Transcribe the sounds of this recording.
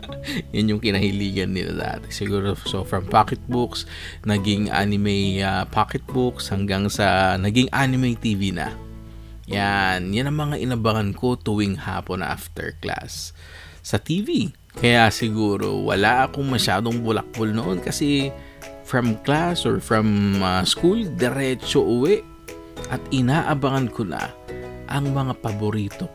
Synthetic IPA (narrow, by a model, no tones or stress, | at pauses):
janjʊŋkɪnɐhɪliːɡɐnːɪ̰la̰d̪a̰ːt̪ɛ̥sɪɡuːɾosofɹɐmpakɛt̪̚bʊks | nɐɡɪŋʔa̰nɪmɛjapʰakɛt̪̚bʊkshɐŋɡaŋsɐnɐɡɪŋʔanɪmɛjt̪iːvinɐ̰ | janjanɐŋmɐŋaʔɪnɐbɐhɐnko̞t̪ʊwɪŋha̰ːponʔa̰ft̪ɛ̰ɹkla̰sː | ɐt̪iːvi | kɐjasɪɡuːɾo̰wɐ̰laʔɐkoŋmɐʃaːd̪o̞ŋbʊlɐ̰k̚bolnoʔonkɐsɛ | fɹɐmklasoɹfɹɐmɐskuld̪ɛɾɛt͡ʃoʔʊwɛʔ | ʔɐt̪ɪnaːʔɐbɐŋɐnkonɐ̰ʔɐŋmɐŋapɐboɾiːt̪o̞